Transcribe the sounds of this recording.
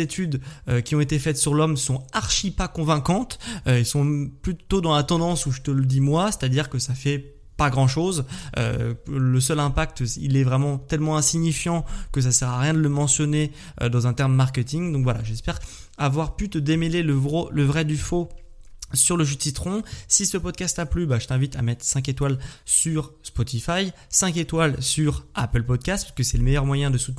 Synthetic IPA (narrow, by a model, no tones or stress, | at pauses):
zet̪ʰyd̪økʲiɔ̃et̪efɛt̪syʁlɔmsɔ̃aʁʃipakɔ̃vɛ̃kɑ̃t̪øɛlsɔ̃plyt̪od̪ɑ̃lat̪ɑ̃d̪ɑ̃suʒət̪ələd̪imwase̥t̪ad̪iʁkəsafɛ | paɡʁɑ̃ʃozø̰ləsœlɛ̃pak̚t̪ḭlɛvʁɛmɑ̃t̪ɛlmɑ̃ɛ̃siɲifjɑ̃kəs̬asɛʁaʁjɛ̃d̪ələmɑ̃sjɔne | ø̰d̪ɑ̃zɛ̃t̪ɛʁmːaʁkʲet̪iŋd̪ɔ̃kvwalaʒɛspɛʁ | avwaʁpyt̪əd̪emeleləvʁoləvʁɛd̪yfo | syʁləʒyt̪sit̪χɔ̃sisəpɔd̪̚kast̪aplybaʒət̪ɛ̃vit̪amɛt̪χsɛ̃ket̪walsyʁspɔt̪ifaj | sɛ̃ket̪walsyʁa̰pəlpɔd̪̚kʲast̪̚pḁkəsɛləmejœʁmwajɛ̃d̪əsu̥t̪n